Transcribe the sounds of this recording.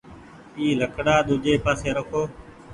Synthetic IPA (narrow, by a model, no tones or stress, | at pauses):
iːləkɽaːɗ̪uːd͡ʒeːpaːseːɾəkʰoː